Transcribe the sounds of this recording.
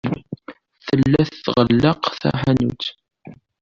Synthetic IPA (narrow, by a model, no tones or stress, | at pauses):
θəllːæθθʁəlːəqθæ̰ħænṵt̪